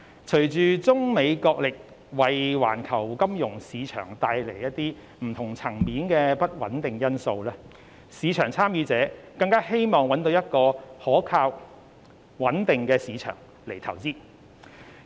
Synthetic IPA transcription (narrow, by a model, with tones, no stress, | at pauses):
t͡ʃʰɵ˨˩ɥt͡ʃyː˨t͡sʊ˥ŋme˨˧jkɔː˧k̚lɪ˨k̚ | wɐ˨jwa̰ː˨˩nkʰɐ˨˩wkɐ˥mjʊ˨˩ŋsiː˨˧t͡ʃʰœ̰ː˨˩ŋt̪aː˧jle˨˩jjɐ˥t̚t̪ːiː˥ | m̩˨˩t̪ʰʊ˨˩ŋt͡sʰɐ˨˩ŋmiː˨˥nkɛː˧pɐ˥t̚wɐ˨˥nt̪ɪ˨ŋjɐ˥nso˧wlɛː˥ | siː˨˧t͡ʃʰœː˨˩ŋt͡sʰaː˥mjyː˨˧˥t͡sɛː˨˥kɐ˧ŋkaː˥he˥jmɔː˨˩ŋwɐ˨˥nt̪o˨˧wjɐ˥t̚kɔː˧hɔː˨˥kʰaː˧w | wɐ˨˥nt̪ɪ˨ŋkɛː˧siː˨˧t͡ʃʰœ̰ː˨˩ŋ | le˨˩jt̪ʰɐ˨˩wt͡siː˥